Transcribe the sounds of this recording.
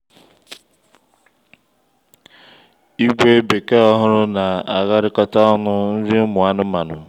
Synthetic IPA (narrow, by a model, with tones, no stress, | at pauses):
i˦kʷe˦be˨ke˦ɔ˦ɦʊ˦ɾʊ˦na˨a˨ɣa˦ɾɪ˦kɔ˦ta˦ɔ˦nʊ˦n̩˦ɾi˦mʊ˨a˦nʊ˦ma˨nʊ˨